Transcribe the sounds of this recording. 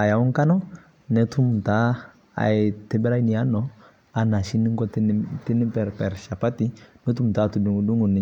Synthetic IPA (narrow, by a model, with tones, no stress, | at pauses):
a˨ja˨wu˦ŋka˦nɔ˦ | nɛ˦tʰu˦m˨ta˨˦ | a̰˨tɛ˦bɛ˦ɾa˦i˦ni˨ja˦nɔ˦ | a˨na˨ʃi˦ni˦ŋɡɔ˦tti˦ni˦pɛ˨ɾpɛ˨ɾʃa˨pa˦ti˦nɛ˦tu˦m˨ta˦˨tu˨du˨ŋu˨du˦ŋu˨ni˨˦